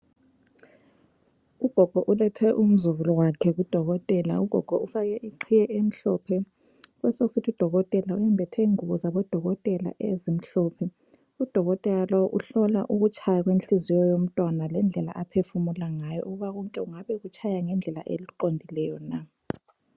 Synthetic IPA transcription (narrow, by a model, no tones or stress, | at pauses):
ub̥ʱɔɡ̥ʱɔʔulɛtʰɛʔum̩zuβulɔwakʰɛɣud̥ʱɔɣɔtʼɛla̰ub̥ʱɔɡ̥ʱɔufaɣɛʔiǃʰijɛʔem̩ɬɔpʰɛ | ɣwɛsoɣusitʰud̥ʱɔɣɔtʼɛlaujɛmbʱɛtʰɛŋuβɔzaβɔd̥ʱɔɣɔtʼɛla̰ʔezim̩ɬɔpʰɛ | ud̥ʱɔɣɔtʼɛlalɔwɔʔuɬɔlaʔuɣut͡ʃʼʰajaɣwenɬizijɔjom̩tʼwanalɛnd͡ɮʱɛla̰ʔapʰefumulaŋajɔ̰ʔuɣuβaɣɔŋkʼɛuŋaβɛɣut͡ʃʰʼajaŋɛnd͡ɮʱɛla̰ʔḛliǃondʱilɛjɔna